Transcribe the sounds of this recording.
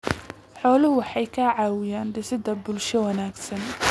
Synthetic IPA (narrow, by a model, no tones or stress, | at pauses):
ħɔːlʊhʊwɑħɑjkʰɐʕɑːwɪjaːnɖɪsɪd̪ɐbʊlʃɔwɐnaːɡsɐn